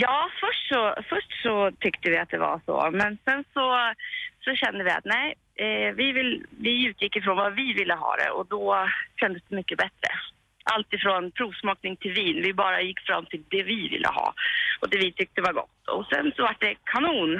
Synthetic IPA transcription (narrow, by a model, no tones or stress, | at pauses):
jɑːfœʂʈsɔfœʂʈsɔt̪ʰʏkt̪əvɪat̪̚d̪ɛva̰ʂɔ̰mɛnsɛnsɔ | sɔɕɛnd̪əvɪa̰t̪nɛɪ | vɪvɪlvɪʉ̟ːt̪ʰjɪkːɪfɾoːnvavɪvɪlːəɦɑ̰ːd̪ɛ̰ʔɔd̪ɔɕɛnd̪əsd̪ɛmʏkːəbɛt̪ɾə̰ | ʔalt̪ɪfɾoːnpʰɾuːvsmɑːknɪŋt̪ʰɪlviːnvɪbɑːɾajɪkːfɾa̰mːt̪ʰɪld̪ɛvɪvɪ̰lːə̰hɑ̰ːɔd̪ɛvɪt̪ʰʏk̚t̪əvaɾɡɔ̰t̪ːɔ̰sɛ̰nsɔvaʈ̚ːɖ̪ɛkʰanuːn